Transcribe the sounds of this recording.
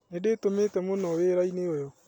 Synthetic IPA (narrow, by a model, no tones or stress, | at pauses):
nedetometɛmonɔweɾaineojɔ